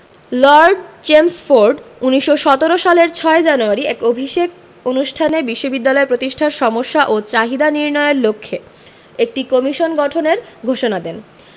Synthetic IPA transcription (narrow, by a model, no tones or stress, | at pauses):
lɔɾɖd͡ʑemsfoɾɖuniʃːoʃɔt̪eɾoʃaleɾt͡ɕʰɔed͡ʑanuaɾiɛkobʱiʃek | onuʃʈʰanebiʃːobid̪ːalɔepɾot̪iʃʈʰaɾʃɔmoʃːaʔot͡ɕaɦid̪aniɾnɔeoɾlokʰːe | ek̚ʈikɔmiʃonɡɔʈʰoneɾɡʱoʃonad̪ɛn